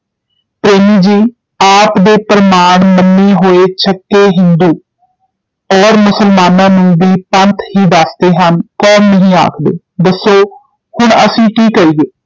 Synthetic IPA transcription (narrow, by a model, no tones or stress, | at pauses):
pɾeːmiːd͡ʒiː | aːpd̪eːpɾəmaːɳmənːiːɦoːeːt͡ʃʰəkːeːɦɪnd̪uː | ɔːɾmʊsəlmaːnãːnũːbiːpənt̪ʰhiːd̪əsd̪eːɦənkɔːnːəɦĩːa̰ːkʰd̪ḛː | d̪əsːoː | hʊɳəsĩːkiːkəɾiːɡeː